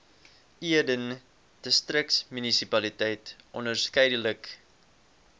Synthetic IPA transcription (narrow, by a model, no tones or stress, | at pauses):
iədən | d̥əstrək̚smynisipɐlitɛjtʔɔnərskɛjdələk